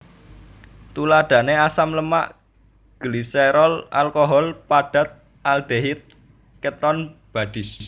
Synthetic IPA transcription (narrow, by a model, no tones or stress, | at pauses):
t̪ulad̪̥ä̤neasamləma̰ʔ | ɡ̥liseɾɔla̰lkoɦɔlpaɖ̥a̤t̪̚ | ald̪̥eɦit̪̚ | kət̪ɔnb̥a̤d̥i̤s